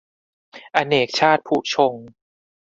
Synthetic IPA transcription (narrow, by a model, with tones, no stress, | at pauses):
ʔa˧neː˨˩k̚t͡ɕʰaː˥˩t̪̚pʰuː˨˩t͡ɕʰo˧ŋ